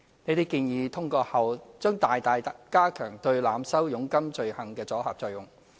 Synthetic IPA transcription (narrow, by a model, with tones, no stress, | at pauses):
ne˨˧jt̪e˨jkiː˧njiː˨˧t̪ʰʊ˥ŋkɔː˧hɐ˨˩wt͡ʃœː˥ŋt̪aː˨jt̪aː˨j̪kaː˥kʰœː˨˩ŋt̪ɵ˧ɥlaː˨˧˥msɐ˥wjʊ˨˥ŋkɐ˥mt͡ʃɵ˧ɥhɐ˨ŋkɛː˧t͡sɔː˨˥ha̰˨p̚t͡ʃɔː˧jʊ˨ŋ